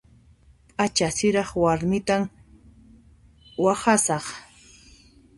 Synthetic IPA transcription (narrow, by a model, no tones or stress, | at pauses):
pʼat͡ʃasɪɾɑχwaɾmɪt̪am | waχasɑχ